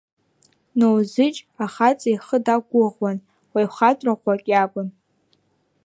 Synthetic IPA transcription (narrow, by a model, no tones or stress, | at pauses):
nowzɨt͡ʃʼaχat͡sʼajχədaɡʷʊʁwan | wajχatʼraqʷakʲʼjakʷʼʊn